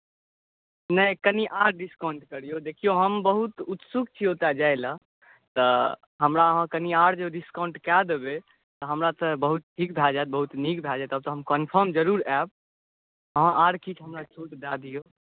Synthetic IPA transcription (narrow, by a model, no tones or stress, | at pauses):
nəjkəniʔaɽɖiskawɳʈkəɾijod̪ekʰijoɦəmbəɦut̪ut̪sukt͡ʃʰiot̪ad͡ʒajlə | t̪ə | ɦəmɾaəɦə̃kəniaɽd͡ʒeɖiskaɳʈkɛd̪ebe | t̪ɔɦəmɾat̪əbəɦut̪̚ʈʰikbʱad͡ʒat̪̚bəɦut̪nikbʱad͡ʒat̪əb̚t̪ɔɦəmkənpʰəɾmd͡ʒəɾuɾɛb̚ | əɦãʔaɽkit͡ʃʰɦəmɾat͡ʃʰut̪d̪ad̪ijo